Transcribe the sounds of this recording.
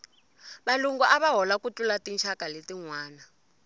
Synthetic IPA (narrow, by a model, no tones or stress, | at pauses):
βaluŋɡɔʔaβaɦɔlakut͡ɬulatint͡ʃʰakaletiŋwaːna